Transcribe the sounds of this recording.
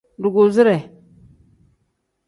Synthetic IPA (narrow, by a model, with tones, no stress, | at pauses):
du˨ɡu˨zi˦ɾe˨